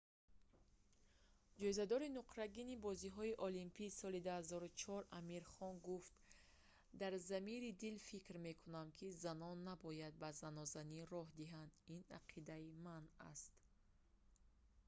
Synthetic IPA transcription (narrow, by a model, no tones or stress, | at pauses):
d͡ʒɔizad̪ɔɾinuqɾaɡinibɔziɦɔiʔɔlimpʰiːsɔlid̪uhazɔɾut͡ʃʰɔɾamiɾχɔnɡuft̪ | d̪aɾzamiɾid̪ilfikɾme̞kʰunamkʰizanɔnːabɔjad̪̚bazanɔzaniɾɔɦd̪iɦand̪ina̰qʰid̪aimana̰st̪